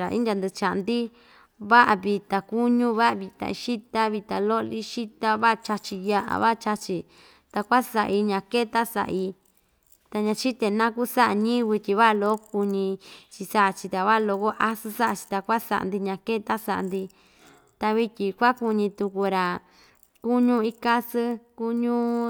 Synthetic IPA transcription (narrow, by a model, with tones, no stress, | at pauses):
a˨ʔḭ˦nd̪ʲa˧nd̪ɨ˧t͡ʃa˨ʔnd̪i˦ | βa˦ʔa˧βi˧t̪a˧ku˦ɲũ˦βa˦ʔa˧˨βi˧t̪ã̰˧i˧ʃi˦t̪a˦βi˧t̪a˧lo˦ʔli˦ʃi˦t̪a˧βa˦˧t͡ʃa˧t͡ʃi˧ja˧ʔa̰˨βa˦˧t͡ʃa˧t͡ʃi˧ | t̪a˧kʷa˦sa˨ʔi˧ɲã˧˨ke˦˧t̪a˦sa̰˨ʔi˧ | t̪a˧ɲã˧t͡ʃi˦t̪e˧nã˦ku˦sa˦ʔa˧˨ɲĩ˦˧βi˧t̪ʲi˧βa˦ʔlo˦o˦ku˧ɲĩ˧t͡ʃi˧sa˦ʔt͡ʃi˧t̪a˨βa˦ʔlo˧ko˦ʔa˦sɨ˧sa˦ʔa˧t͡ʃi̥˧t̪a˧kʷa˦sa̰˧ʔa̰˨nd̪i˧ɲã˨ke˦t̪a˦sa̰˨ʔa̰˨nd̪i˧ | t̪a˧βi˧tʲi˧kʷa˦ku˧ɲĩ˧t̪u˧ku˧ɾa˨ | ku˦ɲũ˦i˧ka˦sɨ˦ku˦ɲũ˦